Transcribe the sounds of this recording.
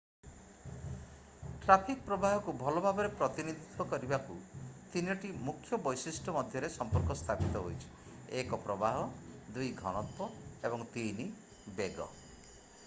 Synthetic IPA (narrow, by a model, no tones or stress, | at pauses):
ʈɾapʰik̚pɾɔbaɦɔkubʱɔlɔbʱabɔɾepɾɔt̪inid̪ʱit̪ʰɔkɔɾibakut̪inɔʈimukʰːjɔbɔjsisʈʰɔmɔd̪ʱjɔɾesɔmpɔɾkɔst̪ʰapit̪ɔɦo̰jt͡ʃʰi̥ | ekɔpɾɔbaɦɔd̪ujɡʱɔɽ̃ɔt̪pɔebɔŋt̪ini | beɡɔ̰